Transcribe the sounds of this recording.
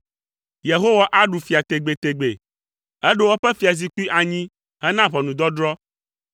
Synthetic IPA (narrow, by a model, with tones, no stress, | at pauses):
je˨ɦo˦wa˨ʔa˦ɖu˨fi˨a˨t̪e˨ɡ͡be˨t̪e˨ɡ͡be˨ | ɛ˦ɖo˦wo˦ɸɛ˦fi˨a˨zi˦ku˦i˦ʔa˨ɲĩ˦ | ɦɛ˦nã˦βɔ˨nũ˨d̪ɔ˦d̪ɾɔ˦